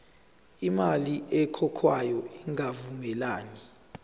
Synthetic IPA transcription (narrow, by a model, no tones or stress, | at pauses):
imaliɛkʰɔkʰwajɔiŋavuŋɛlaːni